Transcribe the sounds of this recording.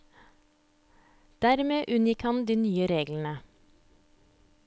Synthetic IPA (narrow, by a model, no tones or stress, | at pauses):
d̪̥æɾmeːʔʉnjɪkhɑnd̪iːnyːəɾeːɡln̩ə